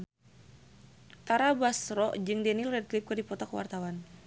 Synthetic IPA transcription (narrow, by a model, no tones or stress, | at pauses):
t̪aɾabasɾɔʔd͡ʒɨŋdɛnilrɛd̚klip̚kɨrdipɔt̪ɔkəwa̰rt̪awan